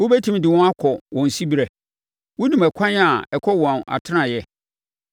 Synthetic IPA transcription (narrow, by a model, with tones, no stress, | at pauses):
wʊ˦be˦tʰũ˦m˦dɪ˨wɔ̃˦a˦kʰɔ˨wɔ̃˨n̩˨si˦bi˦ɾɛ˨ | wʊ̃˦nũ˨mæ˨kʷʰã˦n˦a˨ɛ˨kʰɔ˦wɔ̃˨na̰˨tʰɪ˦nã˨jɛ˦